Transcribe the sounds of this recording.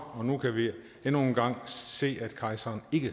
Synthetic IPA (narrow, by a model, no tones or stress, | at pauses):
ɒ̽nukʰæʋi | enoːnɡ̥ɑ̈ŋ̰se̝̰ːæd̥kʰɑ̈ɪsɐːne̝ɡ̥ə